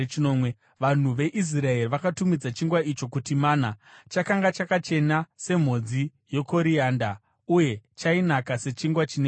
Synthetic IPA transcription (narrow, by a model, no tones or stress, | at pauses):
nomwe | ʋan̤uʋe̞ʔis̬rae̞riʋakatumid͡zat͡ʃiŋɡwait͡ʃo̞kutimaːnat͡ʃakaŋɡat͡ʃakat͡ʃe̞nase̞m̤o̞d͡zi | jo̞ko̞ɾiaːnda | uje̞t͡ʃainakase̞t͡ʃiŋɡwat͡ʃine